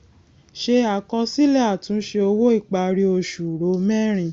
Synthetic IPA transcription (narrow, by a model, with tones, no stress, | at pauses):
ʃe˧a˨kɔ˧si˦lɛ˦a˦˨tũ˨˦ʃe˧o˧wo˦i˦˨k͡pa˧ɾi˧o˧ʃu˨ɾo˨˦mɛ̃˦˨ɾ̃ĩ˧